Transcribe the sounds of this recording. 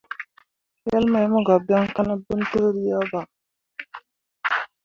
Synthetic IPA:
jɛ˦lma˨jmu˦ɡa˨ba˦ŋ˦ka˦nə˦bə˦n˦tə˦ɾɾi˦ja˦ba˨

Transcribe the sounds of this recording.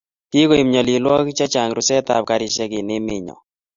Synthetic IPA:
ki˦ko˨i˨mɲɔ˨li˨lwɔ˦kt͡ʃa˦t͡ʃa˨ŋɾʊ˨sɛ˦ta̰˨p̚ka˨ɾɪ˨ʃɛ˦kɪ˨ne˦mɪ̰˨˦ɲɔ̰˨

